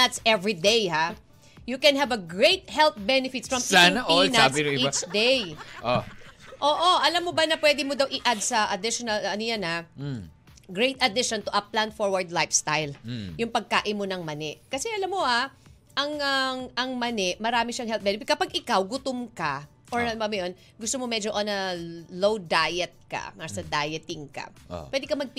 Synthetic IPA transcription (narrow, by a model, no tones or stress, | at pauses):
at̪sɛvɹid̪ejha | jukɛ̃nɦɐvɐɡɹejt̪̚hɛlt̪̚bɛnɪfɪt̪̚fɹɐmpanɐʔinɐbɪnʊiat͡ʃd̪ejʔoʔoːʔo̞ʔɐlamːobɐnɐpwɛːd̪ɪmod̪ɐwʔɪʔad̪̚sɐʔɐd̪ɪʃonɐlɐnʊjanha | ɡɹejt̪ɐd̪ɪʃont̪ʊʔɐplanfoɹwɐɹd̪lajfst̪ajljʊŋpɐɡ̚ka̰ːʔɪmonɐŋmɐnɛʔkɐsɛʔɐlamːoa | ʔɐŋɐŋʔɐŋmɐnɛʔmɐɾaːmɪʃɐŋhɛlt̪̚bɛnɛfɪt̪̚kːɐpaɡɪkawɡʊt̪ʊmkɐ | ʔoɹbɐmɐjon | ɡʊst̪omomɛd͡ʒoʔɐnɐlowd̪ajɛt̪̚kɐ̰mɐasɐd̪aːjɛt̪ɪŋkɐ̰pwɛːd̪ɪkɐmɐɡ̚p